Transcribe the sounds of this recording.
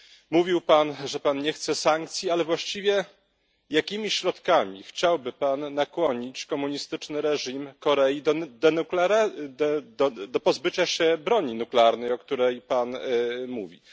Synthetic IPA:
muvʲiwpanʐɛpanɲɛxt̪sɛsaŋk̚t̪sʲjialɛvwaɕt͡ɕivʲjɛ | jakʲimʲiɕɾɔt̪kamʲixt͡ɕawbɘpanːakwɔɲit͡ɕkɔmuɲist̪ɘt͡ʂnɘɾɛʐimkɔɾɛjid̪d̪ɛklɾ | d̪d̪ɔpɔzbɘt͡ɕaɕɛbɾɔɲinuklɛaɾnɛjɔkt̪uɾɛjpanmuvʲḭ

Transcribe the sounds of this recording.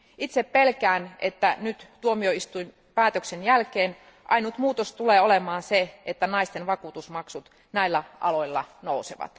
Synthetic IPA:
it̪seppelkæːnḛt̪ːænyt̪t̪uomioist̪uim | pæːt̪øksenjælkeːn | ʔɑinut̪muːt̪ost̪uleːolemɑːnseet̪ːænɑist̪enʋɑkuːt̪usmɑksut̪ | næilːæʔɑ̰loilːɑ̰nouseʋɑ̰t̪

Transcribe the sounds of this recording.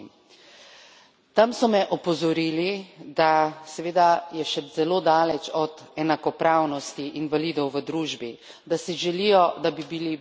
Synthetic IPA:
t̪amsɔmɛʔɔpɔzɔɾiːlid̪asɛʋeːd̪ajɛʃɛz̥ɛloːd̪aːlɛt͡ʃɔd̪ɛnakɔpɾaːwnɔst̪iʔinʋaliːd̪ɔwʋəd̪ɾuːʒbi | d̪asiʒɛlijɔd̪abibili

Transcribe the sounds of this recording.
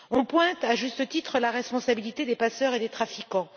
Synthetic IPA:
ɔ̃pwɛ̃t̪aʒyst̪ət̪it̪χəlaʁɛspɔ̃sabilit̪ed̪epasœʁed̪et̪χafikɑ̃

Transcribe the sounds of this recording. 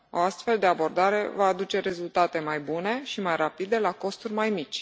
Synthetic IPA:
o̞ast̪fe̞ld̪e̞abo̞rd̪aɾe̞vaːd̪ut͡ʃe̞ɾe̞zult̪at̪e̞majbune̞ʃimajrapid̪e̞lako̞st̪urʲmajmit͡ʃʲ

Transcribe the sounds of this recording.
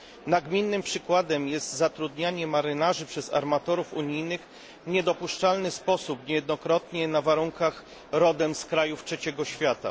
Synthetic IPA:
naɡmʲinːɘmpʂɘkwad̪ɛmjɛst̪zat̪ɾud̪ɲaɲɛmaɾɘnaʐɘpʂɛza̰ɾmat̪ɔɾufuɲijnɘx | vɲɛd̪ɔpuʂt͡ʂalnɘspɔsupɲɛjɛd̪nɔkɾɔt̪ɲɛnavaɾuŋkax | ɾɔd̪ɛmskɾajuftʂɛt͡ɕɛɡɔɕfʲjat̪a̰

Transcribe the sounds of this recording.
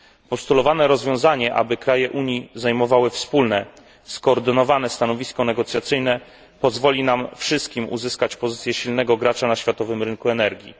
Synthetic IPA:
pɔst̪ulɔvanɛɾɔzvʲjɔ̃w̃zaɲɛʔa̰bɘkɾajɛʔuɲiznajmɔvawɘfspulnɛ | skɔːɾd̪ɘnɔvanɛst̪anɔvʲiskɔnɛɡɔt̪sʲjat̪sɘjnɛ | pɔzvɔlʲinamfʂɘst̪̚kʲimṵzɘskat͡ɕpɔzɘt̪sʲjɛɕilnɛɡɔɡɾat͡ʂanaɕfʲjat̪ɔvɘmɾɘŋkuɛnɛɾɡʲjḭ

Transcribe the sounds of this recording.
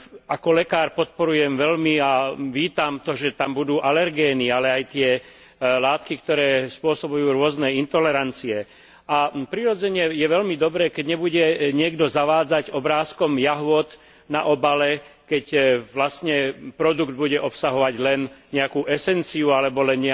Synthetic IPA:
akɔlɛkaːɾpɔt̪̚pɔɾujɛmʋɛlmiaʋiːt̪amt̪ɔʒɛt̪ambud̪uːʔalɛɾɡɛːnialɛajt̪ɪɛ | laːt̪kikt̪ɔɾɛːspʊɔsɔbujuːɾʊɔznɛːint̪ɔlɛɾant͡siɛ | ʔapɾiɾɔd͡zɛɲɛjɛʋɛʎmid̪ɔbɾɛːkɛɟɲɛbuɟɛɲɪɛɡd̪ɔzaʋaːd͡zaɟɔbɾaːskɔmjaɦʊɔt̪ | na̰ʔɔbalɛ | kɛcʋlast̪ɲɛpɾɔd̪uɡd̪̚buɟɛʔɔpsaɦɔʋaɟlɛnɲɛakuːʔɛsɛnt͡siualɛbɔlɛnɲɛ

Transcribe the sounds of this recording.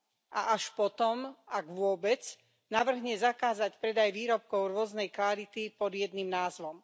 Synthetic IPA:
ʔaʔaʃpɔt̪ɔmaɡʋʊɔbɛt͡s | naʋr̩ɦɲɛzakaːzacpɾɛd̪ajʋiːɾɔp̚kɔʊɾʊɔznɛjkʋaɾit̪ipɔd̪jɛd̪nimnaːzʋɔm

